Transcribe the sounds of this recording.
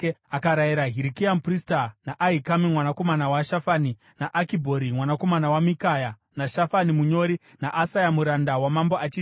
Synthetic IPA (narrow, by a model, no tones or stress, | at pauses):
akaɾajiɾaɦiɾikiampristanaʔaɦikamimwanako̞manawaʃafaːni | naʔakibʱo̞ɾimwanako̞manawamikaja | naʃafanimuɲo̞ɾi | naʔasajamuɾandawamamboat͡ʃii